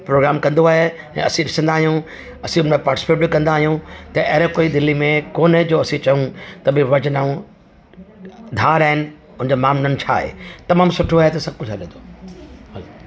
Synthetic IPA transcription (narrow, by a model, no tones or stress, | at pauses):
pɾoːɡɾaːmkɐ̃nd̪oaːɦe | ɛ̰̃ɐsĩɗɪsə̃nd̪aːɦijũ | ɐsĩʊnmẽpaːɾʈɪsɪ̥peʈbɪkɐ̃nd̪aːɦijũt̪ɐʔɐɾẽkoːid̪ɪlimẽkoːnd͡ʑoːɐsĩt͡ɕɐɦũt̪ɐbɪʋɐd͡ʑnaːũ | d̪ʱaːɾaːɪnɪ̆ | ʊ̃nɪ̃nd͡ʑomaːmnɐnɪ̆t͡ɕʰa̰ːɦḛːt̪ɐmaːmsʊʈʰoaːɦet̪ɐsɐb̚ʱkʊd͡ʑʱɦaɗɪ̃nd̪ʱoː | l